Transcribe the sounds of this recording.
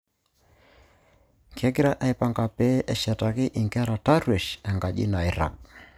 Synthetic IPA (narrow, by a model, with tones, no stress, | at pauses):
ŋkɛ˦ɡi˦ɾa˦ʔɛ˦i˨pa˨ŋɡa˨pɛ˦ʔɛ˨ʃɛ˨ta˨kɪ˦ʔɪ˨ŋɡɛ˦ɾa˨ta˦ɾwe˨ʃɛ˨ŋɡa˨ʄḭ˦na˨i˦ɾa̰˨k̚